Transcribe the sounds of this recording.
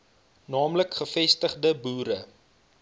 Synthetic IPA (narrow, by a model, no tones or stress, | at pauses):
nɑːmləkχəfɛstəχdəbuːɾə